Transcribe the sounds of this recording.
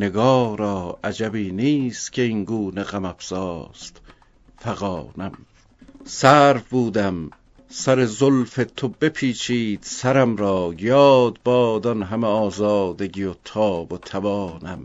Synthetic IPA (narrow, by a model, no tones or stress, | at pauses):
ne̞ɡɒːɾɒːʔæd͡ʒæbiːniːst̪kʲʰe̞iŋɡuːneɣæmæfz̥ɒːst̪ | fæɣɒːnæm | sæːɾfbuːd̪æm | sæɾe̞zolfe̞t̪ʰobe̞pʰiːt͡ʃʰiːd̪̥sæɾæmɾɒːjɒːd̪̚bɒːd̪ɒnɦæmeɒːzɒːd̪e̞ɡijot̪ʰɒːbot̪ʰævɒːnæm